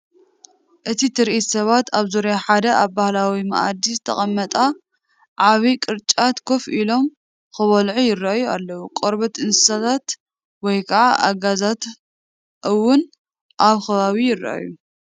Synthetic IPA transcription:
ʔɨt̪ʰit̪ʰɨɾʔit̪sɐβat̪ʰaβzoɾjaħad̪ɐʔaβbahlawima̰ʔa̰d̪izɨt̪ʰɐ̰χʼɐmːɐt̪ʼa | ʕaβikʼɨɾt͡ʃʼat̪kʰo̞filo̞m | kɨβɐlʕujɪrajualːɐwukʼoɾβɐt̪ɨnsɨ̥sat̪ʰat̪ | wɔjkʰɐʕaʔa̰ɡazat̪ | ʔɨwːʊn | ʔaβxɐβaβijɪra̰ʔa̰ju

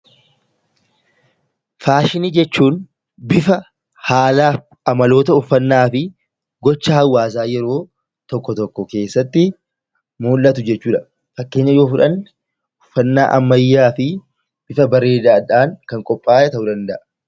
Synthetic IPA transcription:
faːʃɪniːd͡ʒɛt͡ʃːuːn | bɪfɐ | haːlaː | ɐmɐlo̞ːt̪ɐʊfːɐnːaːfɪ | ɡɔt͡ʃːahɐwːaːs̬aːjɛɾo̞ː | t̪ɔkːɔt̪ɔkːɔke̞ːsːɐt̪ːɪ | muːlːɐt̪ʊd͡ʒɛt͡ʃːuːᶑɐ | fɐkːe̞ːɲːɐjo̞ːfʊᶑɐn | ʊfːɐnːa̰ːʔɐmːɐjːaːfɪ | b̥ɪfɐbɐɾe̞ːd̪aːᶑaːŋkɐŋkʼɔpʼːaːjɛt̪ɐʔʊd̪ɐnd̪ɐʔɐ

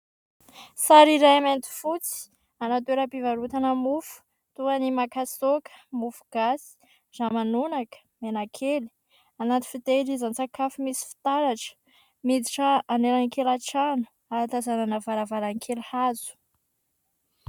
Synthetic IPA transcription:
saɾiɾajament̪i̥fut͡si̥ | anat̪weɾəpivaɾut̪anəmufu̥ | t̪uanimakasokə̥mufuɡ̥asi̥ | z̥amanunakə̥menakʰeli̥ | anat̪i̥fit̪elizant͡sakafimisi̥fi̥t̪aɾaʈ͡ʂə̥ | mid̪iʈ͡ʂəaneɾankelaʈ͡ʂanu̥ | aat̪azananavaɾavaɾaŋkʰelhazu̥

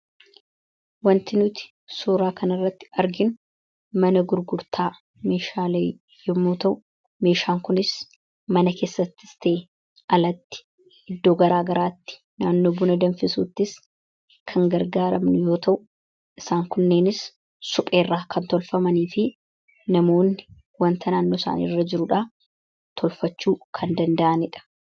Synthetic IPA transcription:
wɐnt̪ɪnʊt̪ɪ̥ | suːɾaːkɐnɐrːɐt̪ːɪ̥ɐɾɡɪnʊ | mɐnɐɡʊɾɡʊɾt̪ʰaː | meːʃaːle | jɔmːuːt̪ɐʔʊ | me̞ːʃaːŋkʊnɪs | mɐnɐke̞ːsːɐt̪ːɪ̥st̪e̞ː | ɐlɐt̪ːɪ̥ | ɪd̪ːo̞ːɡɐɾaːɡɐɾaːt̪ːɪ̥ | naːnːo̞ːbʊnɐd̪ɐnfɪsṵːt̪ːɪs | kʰɐŋɡɐɾɡaːɾɐmnʊjo̞ːt̪ɐʔʊ̥ | ʔɪsaːŋkʊnːe̞ːnɪs | sʊpʼe̞ːrːaːkʰɐnt̪ɔlfɐmɐniːfɪ | nɐmo̞ːnːɪ | wɐnt̪ʰɐnaːnːo̞ːsa̰ːnḭːrːɐd͡ʒɪɾʊᶑa | t̪ʰɔlfɐt͡ʃːuːkʰɐnd̪ɐnd̪ɐʔɐnɪᶑɐ̥

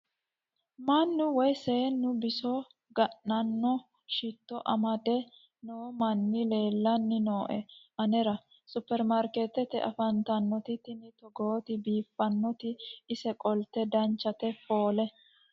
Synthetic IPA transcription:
mɐnːʊwɔjseːnːʊbɪsɔ | ɡɐʔɐnːɔ | ʃɪt̪ːɔʔɐmɐd̪ɛ | noːmɐnːɪle̞ːlːɐnːɪnoːʔɛʔɐnɛɾɐ | sʊpːɛɾmaɾket̪ɛt̪ɛʔɐ̰fɐnt̪ɐnːɔt̪ɪt̪ɪnɪt̪ɔɡoːt̪ɪbiːfːɐnːɔt̪ɪɪsɛkʼɔlt̪ːɛd̪ɐnt͡ʃːɐt̪ɛfoːlɛ

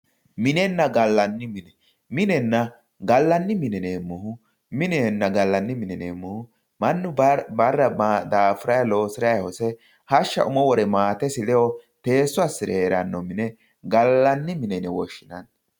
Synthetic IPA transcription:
mɪnɛnːɐɡɐlːɐnːɪmɪnɛ | mɪnɛnːɐ | ɡɐlːɐnːɪmɪnɛneːmːʊhʊ | mɪnɛnːɐɡɐlːɐnːɪmɪnɛneːmːʊhʊ | mɐnːʊbɐrːɐd̪aːfʊɾɐjɐlo̞ːsɪɾɐjɐhɔsɛ | hɐʃːɐ̰ʔʊmɔwɔɾɛmaːt̪ɛsɪlɛjɔt̪e̞ːsːʊɐsɪɾɛːɾɐnːɔmɪnɛ | ɡɐlːɐnːɪmɪnɛnɛwɔʃːɪnɐn

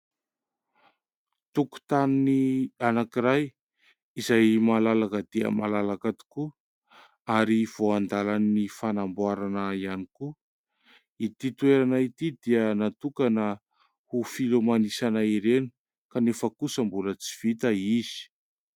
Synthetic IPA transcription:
t̪uku̥t̪aninianakiɾaj | izajmalalakəd̪̥eə̰malalakat̪i̥ku | aɾiv̥oand̪alannifanambwaɾanəianiku | it̪it̪uweɾanait̪id̪iənat̪ukanə | hufilomanisanaiɾeni̥ | kanefəkusəmbulət͡si̥v̥it̪əiz̥i̥

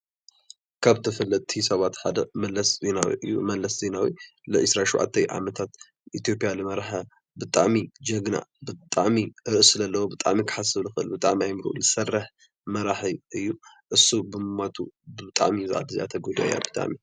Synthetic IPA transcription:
kʰaβt̪ʰɐfɐlːɐt̪ʼt̪ʰisɐβat̪ħad̪ɐmɐlːɐszenawḭʔɨjːṵmɐlːɐszenawḭlɨʔɨsɾaʃuwʕa̰t̪ʰːɐjʕa̰mɐt̪ʰat̪ | ʔit̪ijo̞pʼijalɨmɐɾaħa | bɨt̪ʼa̰ʕmid͡ʒɐɡna̰ʔbɨt̪ʼaʕmiɾɨʔɨsɨlɐlːɐwobɨt̪ʼa̰ʕmikʰɨ̥ħasɨβlɨxɨʔɨ̰lbɨt̪ʼaʕmiajmɨɾʔṵlɨsɐrːɐħ | mɐɾaħiʔɨjːuʔɨsːubɨmɨmat̪ʰubɨt̪ʼa̰ʕmizɨʕa̰d̪ɨzia̰t̪ʰɐɡod̪a̰ja̰bɨt̪ʼa̰ʕmi

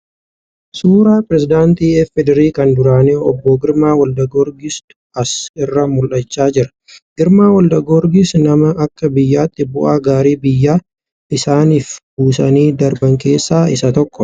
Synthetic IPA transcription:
suːɾaːpɪɾɛsɪd̪aːnt̪iːɛfɛd̪ɛɾiːkɐnd̪ʊɾaːneːɔbːɔɡɪɾmaːwɐld̪ɐɡɔɾɡis | ɐsɪrːɐmʊlʔɐt͡ʃːaːd͡ʒɪɾɐ̥ | ɡɪɾmaːwɐld̪ɐɡɔɾɡisnɐmɐʔɐkːɐbɪjːaːt̪ʼːɪbʊ̰ʔaːɡaːɾiːbɪjːaː | ɪsaːniːfbuːsɐniːd̪ɐɾbɐŋke̞ːsːaːɪsɐt̪ɔkːɔ

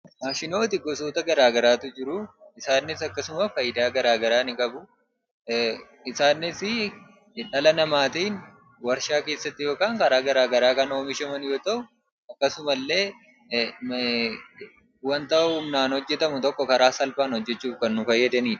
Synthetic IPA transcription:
maːʃɪno̞ːt̪ɪɡɔsoːt̪ɐɡɐɾaːɡɐɾaːt̪ʊd͡ʒɪɾʊɪsaːnːɪsɐkːɐsʊmɐfɐjɪd̪aːɡɐɾaːɡɐɾaːnɪkʼɐbʊ | ɪsaːnːɪsɪ | ᶑɐlɐnɐmaːt̪iːn | wɐɾʃaːke̞ːsːɐt̪ːɪjo̞ːkaːŋkɐɾaːɡɐɾaːɡɐɾaːkɐno̞ːmɪʃɐmɐnjo̞ːt̪ɐʔʊ | ɐkːɐsʊmɐlːe̞ː | wɐnt̪ɐʔʊhʊmnaːnhɔd͡ʒːɛt̪ɐmʊt̪ɔkːɔkɐɾaːsɐlfaːnhɔd͡ʒːɛt͡ʃːuːfkɐnːʊfɐjːɐd̪ɐniːᶑ

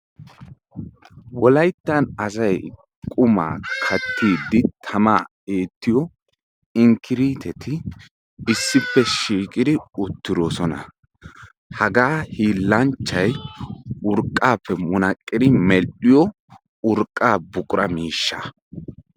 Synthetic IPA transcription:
wɔlɐjt̪ːɐnɐsɐj | kʼʊma̰ːkʰɐt̪ːiːd̪ːɪt̪ʰɐma̰ː | eːt̪ːɪjɔ | ɪŋkʰɪɾiːt̪ʰɛt̪ɪ | ɪsːɪpːɛʃiːkʼɪd̪ɪʊt̪ːɪd̪oːsɔnɐ̰ | hɐɡaːhiːlːɐnt͡ʃːɐj | ʊɾkʼːaːpːɛmʊnɐkʼːɪd̪ɪmɛɪjɔ | ʊɾkʼːaːbʊkʼʊɾʔɐmiːʃːɐ̰

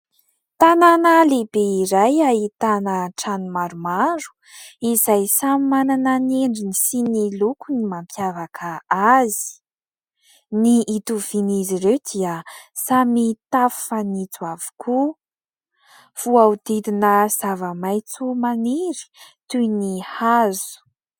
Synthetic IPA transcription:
t̪ananalebeiɾajait̪anəʈ͡ʂanimaɾumaɾu̥ | izajsamimanananeɳɖ͡ʐinisinilukunimampʰjavakʰəazi̥ | niːt̪uv̥iniziɾewd̪̥iəsamit̪affanit͡suavu̥kʰu | v̥uaud̪id̪inəz̥avəmajt͡sumaniɾi̥t̪ujnihazu̥

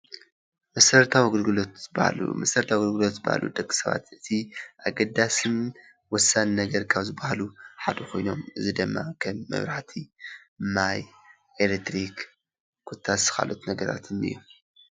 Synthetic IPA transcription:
mɐsɐɾt̪ʰawiɡɨlɡɨlot̪zɨba̰lṵmɐsɐɾt̪ʰawɡɨlɡɨlo̞t̪zɨba̰ha̰lṵd̪ɐkʼːi̥sɐβa̰t̪ʔɨt̪ʰiʔaɡɐd̪ːasɨn | wɔsːannɐɡɐɾkʰaβzɨbahaluħad̪ɐkʰo̞jno̞mɨzid̪ɨmːa̰kʰɐmːɐ̰βɾaħt̪ʰi | maj | elek̚t̪ɾik | kʰut̪ʰːasɨ̥xa̰lʔo̰t̪nɐɡɐɾa̰t̪ʰɨnɨ̰jːum

